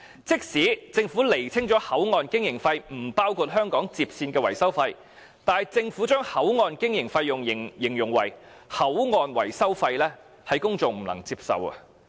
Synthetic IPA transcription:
t͡sɪ˥k̚siː˨˥t͡sɪ˧ŋfu˨˥le˨˩jt͡sʰɪ˥ŋt͡ʃɔː˨˥hɐ˨˥wŋɔː˨nkɪ˥ŋjɪ˨˩ŋfɐ˧jm̩˨˩paː˥wkʰuː˧t̚ɦœː˥ŋkɔː˨˥ŋt͡siː˧p̚siː˧nkɛː˧wɐ˨˩jsɐ˥wfɐ˧j | t̪aː˨jt͡sɪ˧ŋfuː˨˥t͡ʃœː˥ŋhɐ˨˥wŋɔː˨˧nkɪ˥ŋjɪ˨˩ŋfɐ˧jːʊ˨˩ŋɪ˨ŋjɪ˨˩ŋjʊ˨˩ŋwɐ̰˨˩jhɐ˨˥wŋɔː˨˧nwɐ̰˨˩jsɐ˥wfɐ˧jlɛː˥ | hɐ˨˥jkʊ˥ŋt͡sʊ˨ŋm̩˨˩lɐ̰˨˩ŋt͡siː˧p̚sɐ̰˨wɐ̰˧

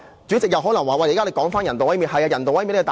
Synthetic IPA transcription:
t͡syː˨˥t͡sɪ˨k̚jɐ˨˧wɦɔː˨˥lɐ˨˩ŋwaː˨wɐ˧˩lːkaː˥e˨˧kɔː˨˥ŋfaː˥njɐ˨˩nt̪o˨wɐ˨˥jmiː˧˥nɦɐ˨jaː˧jɐ˨˩nt̪o˨wɐ˨˥jmiː˧˥nɛ˧˩t̪ː

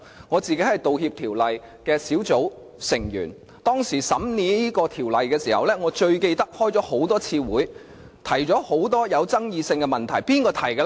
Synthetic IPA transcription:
ŋɔː˨˧t͡siː˨ke˨˥jhɐ˨˩jt̪o˨whiː˧p̚t̪ʰiː˨˩wlɐ˨j | kɛː˧siː˨˥wt͡so˨˥w | sɪ˨˩ŋjy̰ː˨˩n | t̪ɔː˥ŋsiː˨˩sɐ˨˥mniː˨˧niː˥kɔː˧t̪ʰiː˨˩wlɐ˨jkɛː˧siː˨˩hɐ̰˨wlɛː˥ŋɔː˨˧t͡ʃɵ˧ɥke˧jt̪ɐ˥k̚hɔː˥jt͡sɔː˨˥ho˨˥wt̪ɔː˥t͡sʰiː˧wuː˨˥j | t̪ʰɐ˨˩jt͡sɔː˨˥ho˨˥wt̪ɔː˥jɐ˨˧wt͡sɐ˥ŋjiː˧sɪ˧ŋkɛ˧mɐ˨nt̪ʰɐ˨˩jpiː˥nkɔː˧t̪ʰɐ˨˩jkɛ˧˥

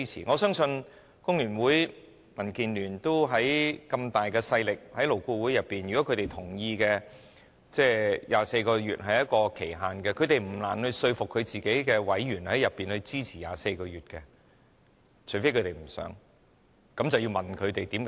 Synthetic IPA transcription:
t͡sʰḭː˨˩ŋɔ˨˧sœː˥ŋsɵ˧n | kʊ˥ŋjyː˨˩nwuː˨˥j | mɐ˨˩nkiː˨˧nlyː˨˩nt̪o˥wɦɐ˨˥jkɐ˧mt̪aː˨jkɛː˧sɐ˧jlɪ˨k̚hɐ˨˥jlo˨˩wkuː˧wuː˨˥jɐ˨˩pːiː˨njy˨kɔ˨˥kʰt̪e˨jt̪ʰʊ˨˩ŋjiː˧kɛ˧ | t͡sɛː˥˧jʔaː˨se˧jkɔː˧jyː˨t̚ɦɐ˨jɐ˥t̚kɔː˧kʰe˨˩jɦaː˨˩nkɛ˧kʰɵ˨˧t̪e˨jm̩˨˩la̰ː˨˩nhɵ˧ɥsɵ˧ɥfʊ˨kʰːɵ˨˧ɥt͡siː˨ke˨˥jkɛː˧wɐ˨˥jjyː˨˩nhɐ˨˥jɐ˨pːiː˨nhɵ˧ɥt͡siː˥t͡sʰiː˨˩ja̰ː˨˧se˧jkɔː˧ɥyː˨t̚kɛ˧ | t͡ʃʰɵ˨˩fe˥jkʰɵ˨˧t̪e˨jm̩˨˩sœ̰ː˨˥ŋ | kɐ˨˥mt͡sɐ˨wjiː˧wmɐ˨nkʰɵ˨˧t̪e˨jt̪iː˨˥m

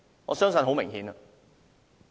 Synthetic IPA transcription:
ŋɔ̰ː˨˧sœː˥ŋsɵ˧nɦo˨˥wmɪ˨˩ŋhiː˨˥nɐ˧

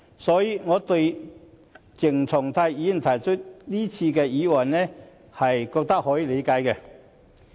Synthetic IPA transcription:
sɔː˨˥jiː˧ŋɔː˨˧t̪ɵ˧ɥ | t͡sɪ˨˩ŋt͡sʰʊ˨˩ŋt̪ʰa˧jiː˨˥˨t̪ʰɐ˨˩jt͡ʃʰɵ˥t̚liː˥t͡sʰiː˧kɛː˧jiː˨˥wɐ˨˩nnɛː˥ | hɐ˨jkɔː˧k̚t̪ɐ˥k̚hɔː˨˥jiː˧le˨˧jkaː˨˥jkɛ˧

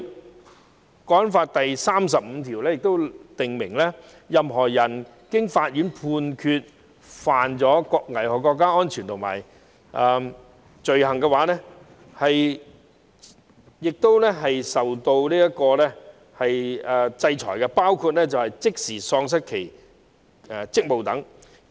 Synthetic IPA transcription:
kɔː˨˥nfaː˧t̚t̪ɐ˨jsaː˥ms̬ɐ˨p̚m̩˨˧t̪ʰiː˨˩wlɛː˥jɪ˨k̚t̪o˥wt̪ɪ˨ŋmɪ˨˩ŋlɛ˥ | jɐ˨mɦɔː˨˩jɐ˨˩n | kɪ˥ŋfaː˧t̚jy˨˥npʰuː˧nkʰyː˧t̚ | faː˨nt͡sɔː˨˥kɔ˧kŋɐ˨˩jhɔː˨˩kːɔː˧k̬ːaː˥ɔː˥nt͡ʃʰyː˨˩nt̪ʰʊ˨˩ma̰ː˨˩j | ʔɛ˧ | t͡ʃɵ˨ɥhɐ˨˩ŋkɛ˧waː˨˥nɛː˥ | hɐ˨j | jɪ˨k̚t̪o˥wlɛ˥ɦɐ˨jsɐ˨wt̪o˧wniː˥jɐ˥t̚kɔː˧lɛ˥ | hɐ˨jɛ˨˧t͡sɐ˧jt͡ʃʰɔ̰ː˨˩jkɛ˧paː˥wkʰuː˧t̚lɛ˥t͡sɐ˨whɐ˨jt͡sɪ˥k̚siː˨˩sɔː˧ŋs̬ɐ˥t̚kʰe˨˩j | t͡sɪ˥k̚mo˨wt̪ɐ˨˥ŋ

